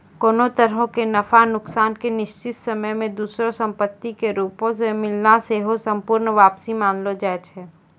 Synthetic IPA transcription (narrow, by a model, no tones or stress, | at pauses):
koːnot̪əɾɦõkenɐfanʊksaːnkenɪʃt͡ʃɪt̪səməjmẽd̪uːsɾõsə̃mpət̪ːikeɾuːpõs̬emɪlnaseɦosə̃mpʊːɾnʋaːpsimaːnlod͡ʒɛːt͡ʃʰɛː